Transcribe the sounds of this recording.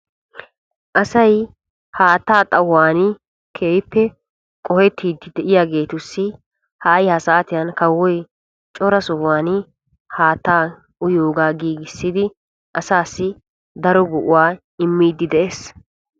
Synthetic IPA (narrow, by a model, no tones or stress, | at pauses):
ʔɐsɐj | haːt̪ːaːt̪ʼɐwːaːnɪ | kʰeːjpːɛ | kʼɔhɛt̪ʰːiːd̪ːɪd̪ɛʔɪjaːɡe̞ːt̪ʊsːɪ | hɐjhɐsaːt̪ɪjɐnkɐwːɔj | t͡ʃʼɔɾɐsɔwaːnɪ | haːt̪ːaː | ʔʊjoːɡaːɡiːɡɪsːɪd̪ɪ | ʔɐsaːsːɪ | d̪ɐɾɔɡʊʔʊwaː | ɪmːiːd̪ːɪd̪ɛʔeːs